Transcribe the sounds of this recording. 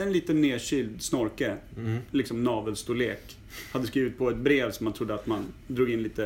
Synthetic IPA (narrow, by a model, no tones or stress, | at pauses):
ɛnliːt̪ənːeːɕʏːld̪snɔɾkəlɪksɔmnɑːvəlst̪ʊleːk | had̪ːəskɾiːvɪt̪̚pʰɔɛt̪̚bɾeːvsɔmːant̪ʰɾʊd̪ːəat̪mand̪ɾuːɡɪnliːt̪ə